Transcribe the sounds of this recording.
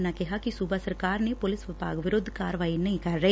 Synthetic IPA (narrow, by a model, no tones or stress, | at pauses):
nakeɦakisubʱasɐɾkaːɾnepolɪsʋɪbʱa̰ːɡɐʋɪɾʊd̪ʱːkaːɾʋaːjinːɐikaːɾe